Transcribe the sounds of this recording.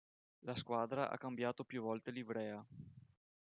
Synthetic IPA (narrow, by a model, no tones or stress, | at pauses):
laskwaːd̪ɾaʔa̰kːambjaːt̪opjuvɔlt̪elivɾɛːa